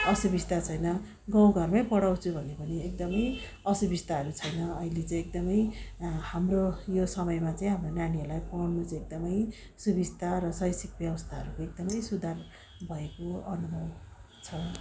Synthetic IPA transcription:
ʌsubist̪at͡sʰʌjnʌ | ɡãw̃ɡʱʌrmajpʌɽaw̃t͡sʰubʱʌnepʌniek̚d̪ʌmʌj | ʌsubist̪aɦʌɾut͡sʰʌjnʌʌilet͡sãĩek̚d̪ʌmʌjhamrojosʌmʌjmat͡saĩɦamronaniʌrlajpʌɽnut͡saek̚d̪ʌmʌj | subist̪ʰaɾʌsʌjsikbjʌwʌst̪ʰaɦʌɾukoek̚d̪ʌmʌjsud̪ʱar | bʱʌekoʌnumʱʌw | t͡sʰʌ

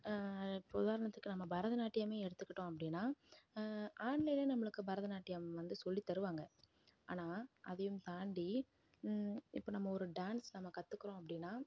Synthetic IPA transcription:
ʊðaːɾɐɳɐt̪ːɯkːɯnɐmːɐbɐɾɐðɐnaːʈːɪjameːɛɽɯt̪ːɯkːɪʈːõːɐpːɐɽɪnːaː | ʔaːɳlɐjleːnɐmːɐɭɯkːɯbɐɾɐðɐnaːʈːɪjamʋɐnd̪ɯsɔlːit̪ːɐɾɯʋaːŋɡɐ | a̰ːnaːʔɐðɐjɯmt̪aːɳɖi | ɪpːoːnɐmːɐɔɾɯɖaːnsnɐmːɐkɐt̪ːɯkːɪɾõːɐpːɐɽɪnːaː

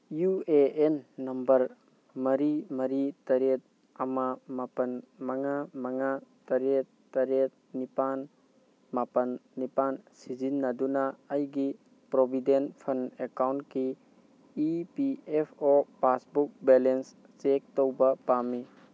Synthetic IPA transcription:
jueenːɐmbɐɾ | mɐɾimɐɾitɐɾet̚ | ɐmamapɐnmɐŋamɐŋatɐɾet̚ | tːɐɾet̚ | nipan | mapɐnnipansizinːɐdunɐɐjɡi | pɾobʱidenpʰɐnekawntkiː | piepʰopasbuk̚belens | t͡ʃek̚towbɐpami

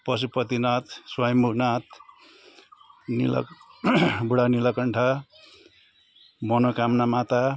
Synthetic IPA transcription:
pʌs̬upʌt̪inat̪swajʌmuknat̪̚ | nḭl̰ | buɽanilʌkʌɳʈʰa | mʌnʌkamnamat̪a

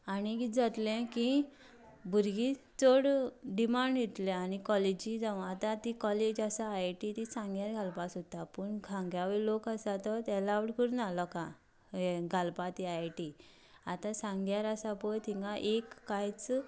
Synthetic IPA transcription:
aniɡid͡zat̪lɛ̃ki | bʱuɾɡit͡soɽɖimaɳɖjit̪lɛ̃anikɔled͡ʑid͡zaʋat̪ãt̪ikɔled͡ʑasajʈit̪isãŋɡjaɾɡʱalpasot̪apəɳɡʱãŋɡjaʋelokasat̪ɔt̪ɛlaʋɽkəɾunalɔka | ɡʱalpat̪iajʈi | at̪asãŋɡjaɾasapɔjt̪ʰiŋɡãʔekːajt͡s

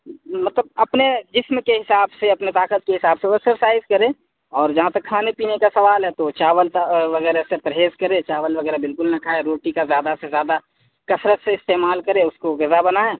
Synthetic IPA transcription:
mɐt̪ləb̚ɐpned͡ʒɪsmkeɦɪsaːbseɐpnet̪aːkət̪̚keɦɪsaːbseoɛksəɾsaːɪzkɐɾẽː | ɔːɾd͡ʒɐɦãt̪ɐkʰːaːnepiːnekasɐʋaːlɦɛt̪ot͡ʃaːʋəlt̪ʋɐɣɛːɾasepɾɐɦeːzkɐɾẽt͡ʃaːʋəlʋɐɡɛːɾabɪlkʊlnɐkʰaːeɾoːʈikazjaːd̪asezjaːd̪a | kɐsɾət̪seɪst̪eːmaːlkɐɾẽʊskoɣɐzabɐnaɛ̃ː

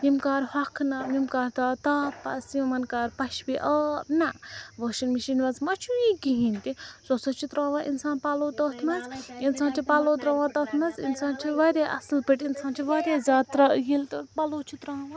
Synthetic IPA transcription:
nimkaːɾhɐkʰnɐmimkaːɾt̪aːt̪aːpːɐ̰sjumɐnkaːɾpɐʃbiʔɐːbnɐʋəːʃinmiʃinʋɐzmɐt͡ʃʰujĩɡiɦint̪isɐsɐt͡ʃʰit̪ɾãːʋaːʔinsaːnpaːloːt̪ɐːt̪ʰmɐzinsaːnt͡ʃʰipaloːt̪ɾɐʋãːt̪ɐːt̪ʰmɐzḭnsãːnt͡ʃʰiʋɐɾʲaːʔɐ̰slpiʈinsaːnt͡ʃʰiʋɐːɾʲaːzaːt̪ɾɐjilt̪paloːt͡ʃʰit̪ɾaːʋã

